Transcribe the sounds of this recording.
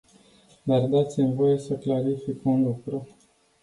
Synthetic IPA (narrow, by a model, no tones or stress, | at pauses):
d̪ard̪at̪sʲimvo̞je̞səklaɾifikunlukɾu